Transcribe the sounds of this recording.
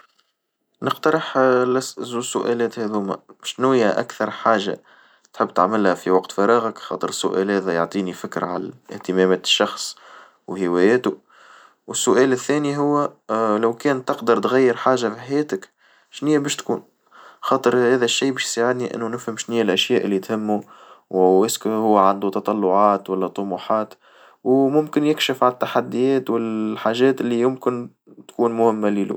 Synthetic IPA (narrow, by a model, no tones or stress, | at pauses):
nəqt̪ɑɾˤəħlæsʔzuːsʊʔæːlɛːt̪hæðuːmæ̰mɪʃnuːjæʔæ̰kθɑɾˤħaːʒːa̰ | t̪ħɪbːt̪a̰ʕmɪlhæfiwɑqt̪fɑɾˤɑːɣəkxɑ̰ːt̪ˤəɾəsːʊ̰ʔæ̰ːlhɛːðæjoʕt̪ˤiːnifɪkɾʕa̰læ̰ɪ̰ht̪əmæmæːt̪ʃːɑxsˤ | whɪwɛːjɛːt̪u | wəsːʊʔæːlɪθːɛːniɦʊwːælæwkɛːnt̪ɑqd̪ɑɾˤt̪ɣæjːəɾħaːʒafiħæjɛːt̪ɪk | ʃnɪjːæbɛːʃt̪kuːn | xɑːt̪ˤəɾhæːðæʃːiːbɛːʃjsaʕɪd̪niʔɪ̰nːunɪfhəmʃnijːælʔæʃjæːʔɪlːit̪hɪmːuwwɪskhʊwːʕand̪ut̪ɑt̪ˤɑlːʊʕɑːt̪wælːɛt̪ˤːomuːħɑːt̪ | wmʊmkɪnjɪkʃɪfʕanɪt̪ːaħad̪ːijɛːt̪wɪlħaːʒɛːt̪ɪlːijʊmkɪn | t̪kuːnmʊhɪmːælilṵ